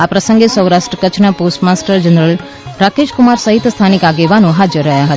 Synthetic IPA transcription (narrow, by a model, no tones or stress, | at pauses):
apɾəsə̃ŋɡesəwɾaʃʈɾəkət͡ʃʰnaposʈmasʈəɾd͡ʒənɾəl | ɾakeʃkumaɾsəɦit̪st̪ʰanikaɡeʋanõɦad͡ʒəɾːəɦjaɦət̪a